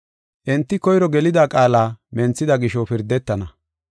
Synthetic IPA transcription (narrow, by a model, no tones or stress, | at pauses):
ʔɛnt̪ːɪkɔjɾɔɡɛlɪd̪aːkʼaːlaːmɛnt͡sːɪd̪ɐɡɪʃɔpɪɾd̪ːɛt̪ːɐnɐ